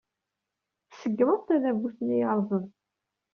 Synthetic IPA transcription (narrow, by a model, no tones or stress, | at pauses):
θsəɡːməðˤt̪æðævuθənijɑɾˤzˤən